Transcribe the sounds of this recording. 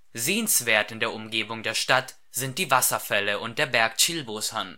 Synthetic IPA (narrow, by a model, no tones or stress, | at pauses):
zeːənsv̥eːɐtɪndeːɐʔʊmɡeːbʊŋdeːɐʃtat | z̥ɪnt̚d̥iːvasɐfɛləʔʊnt̚d̥eːɐbɛɐkt͡ʃɪlboːshan